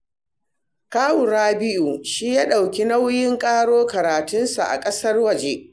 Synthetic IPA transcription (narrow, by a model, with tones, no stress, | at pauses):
kaː˦wʊ˨ɾaː˦bɪ˦ʔu˨ʃiː˦jaː˦ɗa˨wkʲi˦na˦wjɪ˦ŋkʼaː˦ɽoː˦kɐ˨ɾaː˨tʊ˦nsa̰˨ʔa̰˨kʼɐ˦sɐ˦rwɐ˨d͡ʒe˦